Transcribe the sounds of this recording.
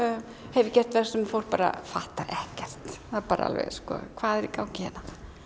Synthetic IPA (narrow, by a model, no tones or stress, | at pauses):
hɛvɪcɛr̥t̪vɛr̥sɛmfowl̥t̪paːɾa̰faht̪aʔɛhcɛr̥t̪θaðɾpaːɾaa̰lvɛ̰ɣskɔ̰kʰvaːðɛɾikaːwncɪhɛna